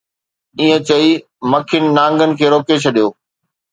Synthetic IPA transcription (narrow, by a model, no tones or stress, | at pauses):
iːɦə̃t͡ɕɐi | mɐkʰɪnɪ̆nãːŋɡənɪ̆kʰeːɾoːket͡ɕʰɐɗijoː